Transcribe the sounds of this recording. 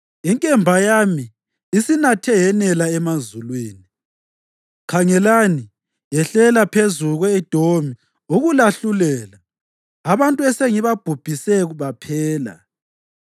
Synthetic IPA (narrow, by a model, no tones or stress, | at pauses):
iŋkʼɛmbʱajami | isinatʰɛjɛnɛlaɛmazulwiːni | kʰaŋɛlani | jɛɬɛlapʰezuɣɔɛd̥ʱomi | uɣulaɬulɛːlaː | βantʼuɛseŋiβab̥ʱub̥ʱisɛɣuβapʰɛːla̰